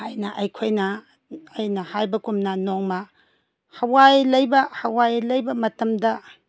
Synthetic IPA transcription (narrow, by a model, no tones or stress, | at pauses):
ajnɐʔɐjkʰojnɐː | jnɐhajbɐkumnanoŋmɐ | hɐwajlɐjbɐhɐwajlɐjbɐmɐtɐmdɐ